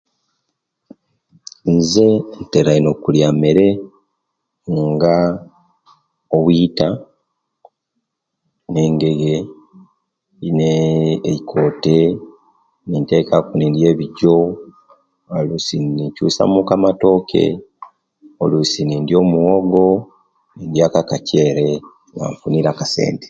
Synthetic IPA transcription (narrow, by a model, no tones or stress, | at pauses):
nze̞nteɾainokuljameɾe̞ | ŋɡa | oβwita | ne̞ːŋɡe̞ɡe | neikʰo̞te | ninte̞ːkakunindje̞ːβiɟo | olusinicuːsa̰mukamato̞ːkʰe̞̰ | olusinindjo̞ːmuoɡo̞ | nindjakakaceːɾe | ŋa̰ɱfuniɾakase̞̰ːnde